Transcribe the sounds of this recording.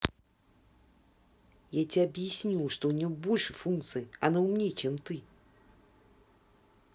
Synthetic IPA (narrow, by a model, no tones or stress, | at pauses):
jat͡sʲiɐbjasʲnʲuʂt̪ɔwnʲɔwbɔlʲʂɨfunk̚t̪sɨjiɐnawmnʲɛt͡ʃɛmt̪ɨ